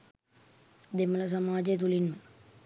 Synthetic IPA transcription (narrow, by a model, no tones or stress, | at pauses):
d̪emɐlɐs̬ɐmaːd͡ʒet̪̬ulinmɐ